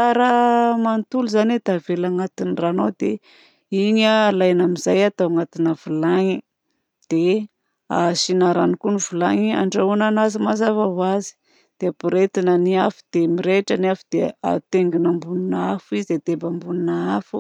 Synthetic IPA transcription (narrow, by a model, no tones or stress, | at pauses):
aɾəmant̪uluzaned̪avelaŋat̪iniranowd̪e | iɲəlajnamizajat̪awaŋat̪inəvulaŋi | d̪̥e | aʃinaɾanikunivulaŋia̰ɳɖ͡ʐaunanazimazavawazi̥ | d̪̥eapiɾet̪inəniafu̥d̪̥emiɾeʈ͡ʂaniafud̪̥ea̰t̪eŋɡinambuninafized̪ebambuninaafu